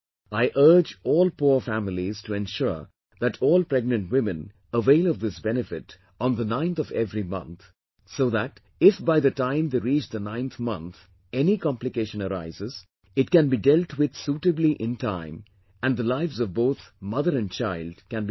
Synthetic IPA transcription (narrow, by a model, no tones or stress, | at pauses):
aɪʔɜ˞d͡ʒɔːlpufæmɪliz̥tʰuɛ̃nʃʊ̰ɹ | ðæʈʰɔːlˠpɹɛɡ̚nə̃ntwɪ̃mɨ̃n | əveɪlˠʌvd̪ɪsbɛnɨfɪt | n̩ðənãɪ̃nt̪ɔvɛvɾimʌ̰̃nt̪ | soðæt | ɪfbaɪðɨtãɪ̃md̪eɾit͡ʃd̪ənãɪ̃nt̪mʌ̰̃nt̪ | ɛnikɑ̃mplɨkeɪʃə̃nəɾa̰ɪzɪz̥ | ɪt̚kæ̃nbidɛlʈwɪd̪̥suːʈɨbliʔɪ̃ntãɪ̃m | æ̃nd̪əlaɪvzʌvboʊt̪mʌðəɾɨ̃nt͡ʃaɪldkæ̃nb